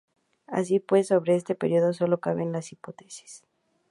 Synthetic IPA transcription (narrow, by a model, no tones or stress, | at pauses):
a̰s̬ipwe̞sːo̞βɾe̞est̪e̞pe̞ɾjo̞ðo̞so̞lo̞kaβe̞nlasipo̞t̪e̥si̥s